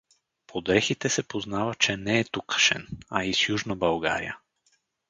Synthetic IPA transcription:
pʰod̪ɾɛxit̪ɛsɛpoznavat͡ʃɛnɛːt̪ukḁʃɛ̰naisjuʒnabalˠɡa̰ɾḭja̰

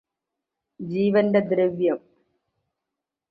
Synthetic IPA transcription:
d͡ʑiːʋɐndɐd̪ɾeʋjɐm

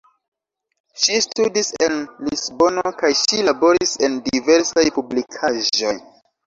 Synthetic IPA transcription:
ʃistudise̞nlisbo̞nokajʃilabo̞ɾise̞ndive̞ɾsajpublikʰaʒo̞j

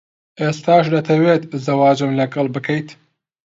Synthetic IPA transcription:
ʔeːst̪aːʃd̪ɐt̪ʰɐweːt̪zɐwaːd͡ʒɨmlɐɡɐlˠbɨkʰɐjt̪

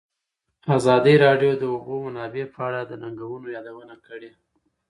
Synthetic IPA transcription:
azɑd̪əɾɑɖjod̪əubomanɑbepəaɽad̪ənaŋɡawənojɑd̪awənakəɽe

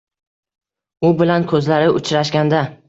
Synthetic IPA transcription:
ʊbɪlankʰɵzlaɾɪʔʊt͡ʃʰɾaʃɡʲand̪a

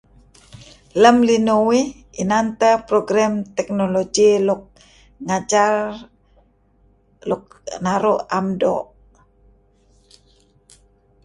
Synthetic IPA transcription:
ləmlinowi | inant̪əpɾoɡɾamt̪ɛk̚noloɡiluk̚ | ŋad͡ʒar | luk̚naɾuʔamdɔ̰ʔ

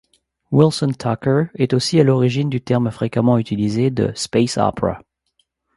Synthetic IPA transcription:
wilsɔnt̪ʰakə˞ɛt̪osialɔʁiʒind̪yt̪ɛʁmfχekamɑ̃yt̪ʰilized̪ə̰spesa̰pɹa̰

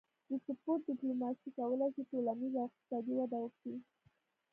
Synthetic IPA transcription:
d̪əsəpoʈ̚dɪplomɑsikawəlat͡ʃiʈolanizaɪq̚t̪ɪ̥sɑd̪iwad̪awəkɽi

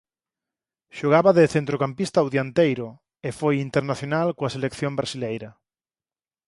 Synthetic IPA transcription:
ʃoɣaβɐðeθent̪ɾokampist̪awðjant̪ejɾʊ | efojint̪eɾnaθjonalkoɐselekθjombɾasilejɾɐ

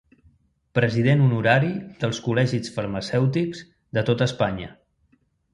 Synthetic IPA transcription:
pɾəziðenunuɾaɾid̪əlˠskulɛʒisfəɾməsɛwt̪ikz̥ | d̪ət̪ot̪əspaɲə̰

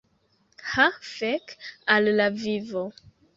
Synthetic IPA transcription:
hafɛkallavivo

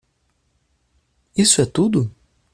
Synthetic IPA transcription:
isʊɛt̪ud̪ʊ

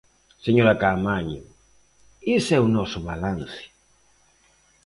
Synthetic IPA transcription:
seɲoɾakamaɲʊ | isɛunɔsʊβalãnsɪ̥

